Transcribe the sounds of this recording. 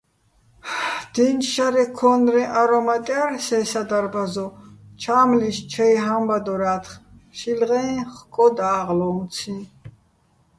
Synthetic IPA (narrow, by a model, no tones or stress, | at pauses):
d̪̥inʃaɾɛkʰɔnɾɛʔaɾɔmat̪ʼjaɾsɛːsad̪aɾbazɔt͡ʃʰaːmliʃt͡ʃʰɛjɦambad̪ɔɾaːt̪ʰχ | ʃilʁɛ̃χkʼɔd̪aːʁlɔːnt̪t͡sʰĩ